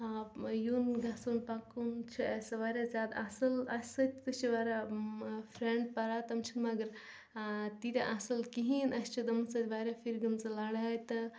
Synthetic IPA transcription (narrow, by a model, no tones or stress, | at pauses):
ajunɡasonpakunt͡ʃʰiɐsɐʋaːɾʲazʲjaːd̪asɐlɐsʲsɐt̪ʰʲt̪ɨst͡ʃʰiʋaɾa | pʰɾeɳɖ̚pɐɾaːt̪ɐmt͡ʃʰinmɐɐɡɐɾ | t̪it̪ʲaʔasɐlkiɦinɐsʲt͡ʃʰid̪ɐmɐsɐt̪ʰʲʋaɾʲapʰiɾɡɐmt͡sɐlaːɽajt̪ɐ